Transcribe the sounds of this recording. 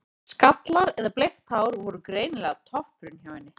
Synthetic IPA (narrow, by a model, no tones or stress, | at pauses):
skat̪laɾɛðaplext̪haːwɾvɔɾʏkɾeːjnɪlɛɣat̪ʰɔhpɾʏnçjaːvanːɪ